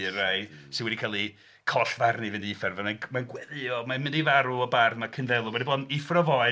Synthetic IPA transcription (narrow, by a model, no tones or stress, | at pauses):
ɾajsɪnwɛdikʰalˠi | kʰɔɬvarnivɪndiɪfɛrvananmanɡwɛðɨɔmamɪndivaɾuɔbarmakʰənvɛlˠuwɛdibɔːdɪfrɔvɔɨ